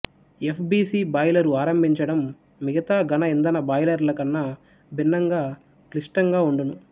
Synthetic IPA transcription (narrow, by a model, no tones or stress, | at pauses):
epʰbiːsiːbɐjlɐɾuaːɾɐmbʱiɲt͡ʃɐɽɐmː | iɡɐt̪aːɡɐnɐind̪ɐnɐbɐjlɐɾlɐkɐnːɐ | bʱinːɐŋɡaː | klisʈɐŋɡaːuɳɖunu